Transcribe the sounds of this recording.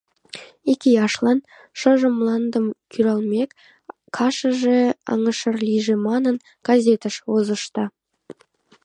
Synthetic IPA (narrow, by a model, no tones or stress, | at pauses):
ekʲijɑʃlˠɑn | ʃə̆ʒə̆mlˠɑnd̪əmkʰyɾɑlˠmʲek | kʰɑʃə̆ʒeɑ̰ŋə̆ʃə̆rlʲiʒemɑnən | ɡ̥ɑzʲet̪əʃozə̆ʃt̪ɑ